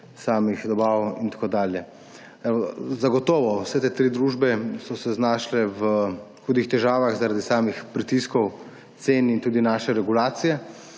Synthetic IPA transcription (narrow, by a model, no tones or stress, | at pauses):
saːmixd̪ɔbaːwint̪ḁkoːd̪aːljɛ | ɛzaɡɔt̪ɔːʋɔwsɛt̪eːt̪ɾid̪ɾuːʒbɛsɔsɛznaːʃlɛʋxuːd̪ixt̪ɛʒaːʋaxzaɾad̪isaːmixpɾit̪iskɔw | t̪seːnint̪uːd̪inaːʃɛɾɛɡulaːt̪sijɛ